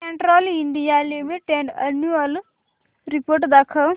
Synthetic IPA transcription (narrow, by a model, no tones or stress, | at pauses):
eɳʈɾɔːliɳɖijaːlemiʈenɖɐnuɐl | ɾipoːɾʈd̪ɐkʰɐ